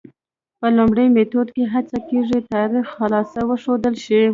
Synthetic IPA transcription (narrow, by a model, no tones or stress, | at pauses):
pəlʊmɽəjmet̪od̪keɦat͡sakeʐit̪ɑɾixxalɑsawəʂod̪əlʃi